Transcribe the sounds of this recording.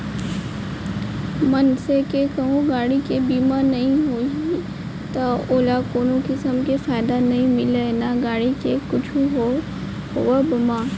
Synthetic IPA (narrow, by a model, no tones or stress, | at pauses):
mɐnsekekɐɦũɡaːɽikebiːmanɐɦĩɦoːi | t̪aoːlakoːnõkɪsəmkefaːɪd̪anɐɦĩmɪlenaɡaːɽikekʊt͡ʃʰuɦo | ɦʊʋabɐmaː